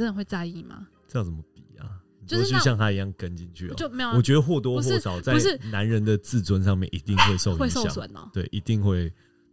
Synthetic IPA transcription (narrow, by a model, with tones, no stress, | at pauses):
ə˥nə˨nxwe˥˧ɪt͡sa˥˧ɪi˥˩ma̰˨˩ | ə˥˧jɑ˥˩ŋt͡sə˩mə˧pi˨˩˦a̰˩ni˨˩˥t͡ɕʰi˥˧ɕjɑ˥˨ŋt̪ʰa˥i˧˥jɑ˥˩ŋkə˦nt͡ɕi˧nt͡ɕʰy̰˥˨ɔ̰˨o˥˩m˧˥jwɔ˨˩t͡ɕɥɛ˧˦d̪ə˧xwɔ˥˩t̪wɔ˦xwɔ˥˨˥ʂɑ˨˩ʊt͡sa˥˨ɪʂna˧˦nɻə˧˦nd̪ə˨t͡sɹ̩˥˨t͡swə˧˦nʂɑ˥˧ŋmjɛ˥˨nḭ˨˦t̪i˥˧ŋxwe˥˧ɪʂo˥˨ʊwjɑ̰˨˦swə̰˨˦nə̰˧˦t̪we˥˩ɪʔi˧˥t̪i˥˧ŋxwe˥˨˩ɪ